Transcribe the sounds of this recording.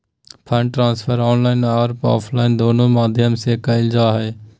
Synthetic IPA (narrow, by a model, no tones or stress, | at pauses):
pʰəɳʈɾãːnspʰəɾɔːnlaːɪnaːɾpɔ̰ːpʰlaːɪnd̪oːnoːmaːd̪ʱjəmseːkəɪld͡ʒaːɦeː